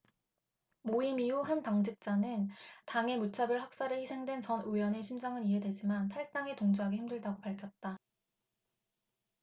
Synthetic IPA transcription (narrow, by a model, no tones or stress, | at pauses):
moimiuɦantaŋd͡ʑɯk̚t͡ɕ͈anɯntaŋe̞mut͡ɕʰabɯɭhak̚s͈aɾɯçisʰe̞ŋdwe̞nt͡ɕʌnujʌne̞ɕʰimd͡ʑaŋɯniɦe̞dwe̞d͡ʑimantʰaɭ̚t͈aŋe̞toŋd͡ʑuɦaɡehʰimdɯɭdaɡopaɭkʰjʌt̚t͈a